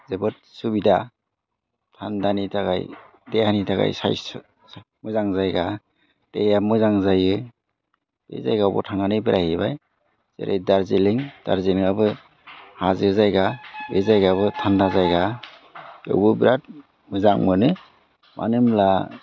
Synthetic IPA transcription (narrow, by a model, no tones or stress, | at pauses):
zebɯt̚subida | tʰandanitʰaɡa̰j | deanitaɡa̰jsa̰js | s | mɯzaŋzajɡa | d̥ejamɯzaŋzajɯ | b̥ḛza̰jɡawbɔ̰tʰaŋanɯbiɾʔajebaj | z̥ḛɾḛjdaɾzileŋd̥a̰ɾzilŋabɯ | hazɯzajɡabezajɡaβɯtʰandazajɡa | ɯ̰wbɯbiɾat̚ | mɯzaŋmɯnɯ | mʔa̰nɯmla